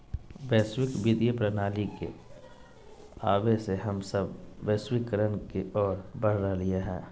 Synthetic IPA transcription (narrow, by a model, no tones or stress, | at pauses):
ʋɛːswɪkʋɪd̪jəpɾənaːlikḛ | aːʋeseɦəmsəbːɛːswɪkəɾənkeɔːɾbəɽ̤ɾalijaɦɛ̃ː